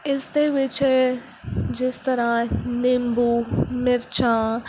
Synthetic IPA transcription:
ɪst̪eʋɪt͡ʃ | d͡ʒɪst̪əɾãːnɪmbuːmɪɾt͡ʃʰãː

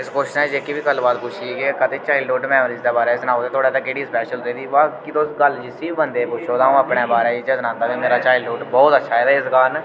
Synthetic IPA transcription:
ɪskoːʃɪʃnɛ̃ːd͡ʒeːkːiːbiːkəlːbaːd̪pʊt͡ʃʰiɡeːkət̪eːt͡ʃaːɪluːɖmɛːmɾiːd͡ʒd̪eːbaːɾaːsnaːot̪eːt̪ʰoːɽaːt̪aːkeɽiːspɛːʃəld̪eːd̪iːbakit̪osɡəld͡ʒisiːbibənd̪eːpʊt͡ʃʰoːd̪aːũːəpɳeːbaːɾeːiːd͡ʒeːsənãːnd̪aːt̪eːmeːɾaːt͡ʃaːɪlɖuːɖbɔːt̪ətːʃʰaːɛːɛːɪsɡaːn

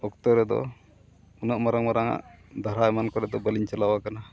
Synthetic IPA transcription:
ɔkt̪ɔɾɛd̪ɔ̰ | unəʔmaɾaŋmaɾaŋa̰ʔd̪ʱaɾaɛmankɔɾɛd̪ɔbəliɲt͡ʃalawakana

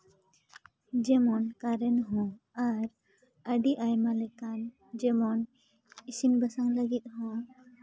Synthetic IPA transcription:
d͡ʒɛmɔnkaɾɛnɦɔ̃ | aɾ | əɖiʔajmalɛkan | d͡ʒɛmɔn | isimbəsaŋləɡit̪̚ˀhɔ̃

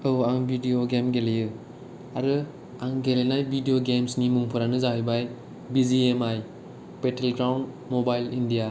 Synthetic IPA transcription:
owaŋbʱidijoɡemɡelejɯ | aɾɯ | aŋɡelenajbʱidijoɡemsnimuŋpʰɯɾanɯzaɦijbaj | biziemaj | petʰelɡɾawnd | mobajlindija

